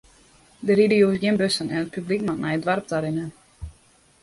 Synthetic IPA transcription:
dəɾidəjuɪsɡjɪnbøsənɛnət̚pʰyblikmatnɛjədʋarp̚taɾɪnə

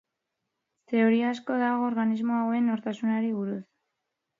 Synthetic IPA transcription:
t̪e̞oɾiasko̞ðaɣo̞ːɾɣanizmo̞awe̞no̞ɾt̪asunaɾiβuɾus

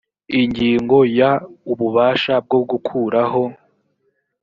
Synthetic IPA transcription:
iɲɟiːŋɡo̞jauβuβaːʃab̚ɡoɡukʰuːɾaɦo̞

